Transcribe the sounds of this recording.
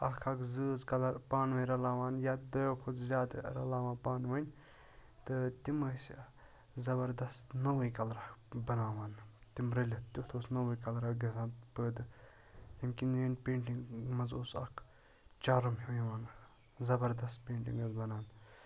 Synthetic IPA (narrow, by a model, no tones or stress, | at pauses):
ɐkʰɐkʰzɨːzkɐlɐɾpaːnʋɐnʲɾɐlaːʋaːnjaːd̪ɐjoːkʰozzʲaːd̪ɾɐlaːʋaːnpaːnʋɐnʲ | t̪ɨt̪iməːsʲ | zɐbɐɾd̪ɐst̪nɐʋɐkɐlɾɐbɐnaːʋaːnt̪imɾɐlʲɐt̪t̪ʲut̪ʰoːsnɐwɐkɐlɾɐɡɐsaːnpəːd̪ɨ | jɐmkʲinʋeːnʲpẽːɳʈiŋɡmɐnzoːsɐ̰kʰ | t͡ʃaːɾɐmɦijʋaːn | zɐbɐɾd̪ɐst̪pʲeːɳʈḭŋɡɐzbɐnaːn